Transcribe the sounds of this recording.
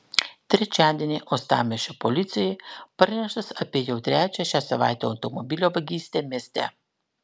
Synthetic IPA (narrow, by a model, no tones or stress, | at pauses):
t̪ɾit͡ʃaːd̪ʲinʲɛʔɔst̪a̰ːmɛʃɛpɔliːt̪sʲijipəɾnʲɛʃt̪ɛsapejɛwt̪ɾʲɛːt͡ʃɛʃasɐʋa̰ːjt̪ɛawt̪ɔmɔbiːlʲɔʋɐɡiːst̪ʲɛmʲest̪ɛ̰